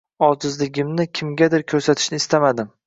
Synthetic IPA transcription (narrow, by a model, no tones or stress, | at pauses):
ɒzɪzlɪɡʲɪmnɪkʲʰɪmɡʲad̪ɪɾkʲʰɵɾsat̪ʰɪ̥ʃnɪːst̪amad̪ɪm